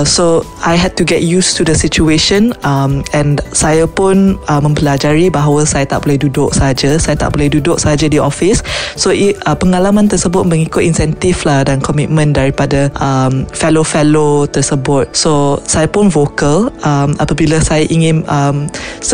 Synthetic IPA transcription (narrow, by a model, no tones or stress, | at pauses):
so | ajɦɛd̚tuɡɛt̚justudəsit͡ʃueʃə̃namɛ̃nsajapʊnəmə̃mpəlad͡ʒaɾibaɦawəsajat̪a̰ʔ̚b̥olɛhdudʊk̚səɦad͡ʒasajat̪a̰ʔbolɛhdudʊk̚səɦad͡ʒadiʔɔfissoʔiəpəŋalamãnt̪əsəbʊt̚mə̃ŋikʊt̚ĩnsɛnt̪iflahdankɔmit̚mə̃ndaɾipadəʔamfɛlofɛlot̪əsəbʊt̪̚sosajapʊnvokəlamapəbiləsajaʔiŋɪ̃nəm